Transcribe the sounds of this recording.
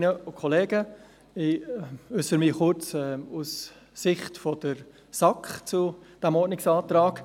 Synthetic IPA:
nəʊkʰɔleːɡə | ɪʏsəɾmɪχʊɾt͡sɛusː | ɪχtfɔd̥əɾ | sɑkχt͡sud̥æmɔdnɪksɑːt̪ɾɑːk

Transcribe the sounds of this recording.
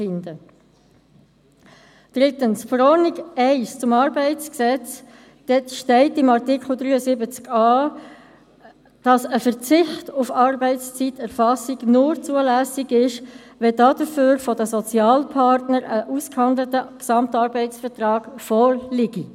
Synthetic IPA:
fɪndə | d̥ʁɪtənsfɾɔniɡɛɪst͡sʊmɑːɾbɛɪt͡sksɛt͡s | d̥ɛtʃtɛɪtɪmɑʁtɪkl̩ˠdʁyːəsɪbət͡skɑː | d̥ɑsəfəʁt͡sɪχtʊfɑːrbɛɪst͡sitɛʁfɑsiɡnʊɾt͡suəlæsiɡɪʃ | ʋɛd̥ɑdəføːɾfɔdəsɔt͡sjɑːlpʰɑɾtnəɾəʔuskhɑnd̪lətəksɑmtɑːɾbɛɪt͡sfəʁtrɑːɡ̥fɔːɾlɪɡ̥i

